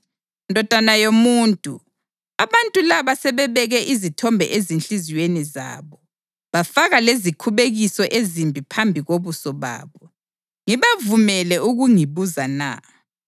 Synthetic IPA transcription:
ndʱɔd̥ʱanajomuːntʼu | aβantʼulaβasɛβɛβɛɣɛʔizitʰɔmbʱɛ̰ʔezint͡ɬʼiziweniza̰ːβɔ | βafaɣalezikʰuβeɣisɔʔezimbʱipʰambʱiɣoβusɔβa̰ːβɔ | ŋiβavumɛlɛuɣuŋiβuzana̰

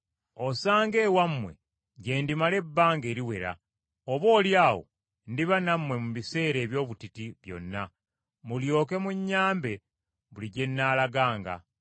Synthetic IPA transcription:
osaːŋɡe̞ːwamːwe̞̰ | ɟe̞ːndimale̞bːaːŋɡe̞ːɾiwe̞ɾa̰ | oβo̞ːljaːwo̞̰ | ndiβanamːwe̞muβise̞ːɾe̞ːβjo̞ːβutitiβjo̞̰nːa | muljo̞ːke̞muɲːaːmbe̞ | βuliɟe̞nːaːlaɡaːŋɡa̰

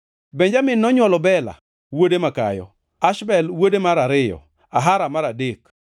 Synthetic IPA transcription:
bɛɲd͡ʒamɪnːɔɲwɔlɔbɛla̰ | wodemaka̰jɔ̰ | aʃbɛlwodemaɾaɾɪjɔ̰ | aɦaɾamaɾadek

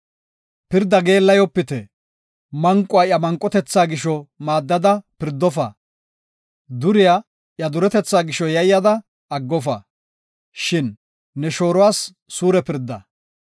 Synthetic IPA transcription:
pɪɾd̪ːɐɡe̞ːlːɐjɔpːɪt̪ɛ | mɐŋkʼʊaːjɐmɐŋkʼːɔt̪ɛt͡sːaːɡɪʃɔmaːd̪ːɐd̪ɐpɪɾd̪ːɔfɐ̰ | d̪ʊɾɪjaː | ʔjɐd̪ʊɾɛt̪ɛt͡sːaːɡɪʃɔjɐjːɐd̪ɐ | ɐɡːɔfɐ | ʃɪnː | ɛʃo̞ːɾɔwaːsː | uːɾɛpɪɾd̪ːɐ̰

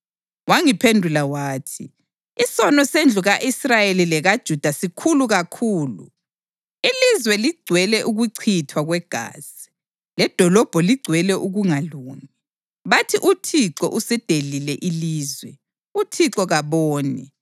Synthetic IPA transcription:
waŋipʰendʱulawaːtʰi | isɔnɔsend͡ɮʱuɣaʔisrajelilɛɣad̥ʒ̥ʱud̥ʱasikʰuluɣakʰuːlṵ | ilizwɛliɡ͡ǀʱwɛlɛʔuɣuǀʰitʰwaɣwɛɡ̥ʱa̰ːz̥i̥ | lɛd̥ʱɔlɔb̥ʱɔliɡ͡ǀʱwɛlɛʔuɣuŋaluːŋi | βatʰiʔutʰiǁɔ̰ʔusɛd̥ʱelilɛʔiliːzwɛ | utʰiǁɔɣaβoːnḭ

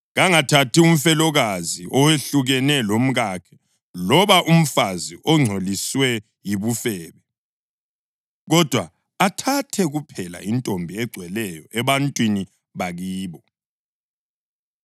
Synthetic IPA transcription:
ɣaŋatʰatʰium̩fɛlɔɣaziʔɔweɬuɣɛnɛlom̩ɣakʰɛ̥ | lɔβaʔum̩faziʔɔŋ͡ǀʱoliswɛ | jiβufɛːβɛ | ɣɔd̥ʱwa | atʰatʰɛɣupʰɛla̰intʼombʱiɛɡ͡ǀʱwɛlɛjɔʔɛβantʼwini | βaɣiːβɔ

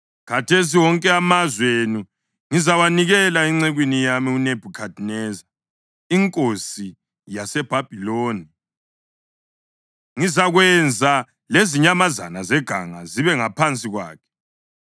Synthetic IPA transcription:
kʰatʰes̬iwɔŋkʼɛamazwenu | ŋizawaniɣɛlaiŋ͡ǀeɣwinijamiuneb̥ʱukʰad̥ʱnɛːza | iŋkʼosi | jasɛb̥ʱab̥ʱiloːni | ŋizaɣwɛnd͡zʱa | leziɲamaza̰nazɛɡ̥ʱa̰ŋa̰ziβɛŋapʰant͡sʼiɣwa̰ːkʰɛ̥

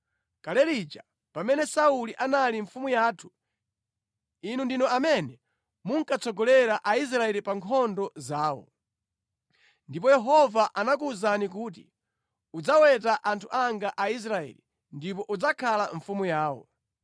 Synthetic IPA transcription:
kalɛɾit͡ʃa | pamɛnɛsauliʔanaliɱfumujaːtʰu̥ | inundinɔamɛnɛ | muŋkat͡sɔɡɔlɛɾaʔais̬ɾaɛlipaŋkʰɔndɔzaːwɔ̰ | ndipɔjɛɦɔvaʔanakuzanik̬uːt̬i | ud͡zawɛt̬aʔantʰuʔaŋɡaʔais̬ɾaɛ̰li | ndip̬ɔʔud͡zakʰalaɱfumujaːwɔ̰

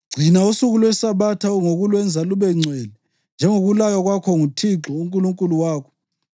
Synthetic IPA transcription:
ɡ͡ǀʱinausuɣulwɛsaβatʰauŋoɣulwɛnd͡zʱaluβɛŋ͡ǀʱwɛlɛ | nd͡ʒʱɛŋoɣulajaɣwakʰɔŋutʰiǁɔuŋkʼuluŋkʼuluwaːkʰɔ̥

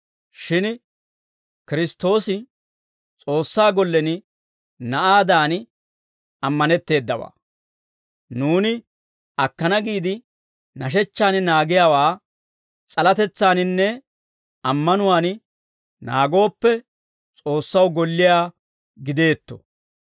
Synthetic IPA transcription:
ʃɪn | kɪɾɪst̪ːo̞ːsɪ | t͡sʼo̞ːsːaːɡɔlːɛnɪ | nɐʔaːd̪aːn | ɐmːɐnɛt̪ːe̞ːd̪ːɐwa̰ː | nuːnɪ | ɐkːɐnɐɡiːd̪ɪ | nɐʃ̬ɛt͡ʃːaːnɪnaːɡɪjaːwaː | t͡sʼɐlɐt̪ɛt͡sːaːnɪnːɛ | ɐmːɐnʊwaːn | na̰ːɡo̞ːpːɛ | t͡sʼo̞ːsːɐwɡɔlːɪjaː | ɡɪd̪e̞ːt̪ːɔ̥̰

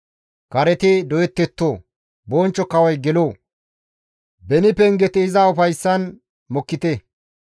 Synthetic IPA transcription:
kɐɾɛt̪ɪd̪ɔjɛt̪ːɛt̪ːoː | bɔːnt͡ʃːɔkɐwɐjɡɛloː | bɛnɪpɛŋɡɛt̪ɪɪzaʊfɐjsːɐn | mɔkːɪt̪ɛ

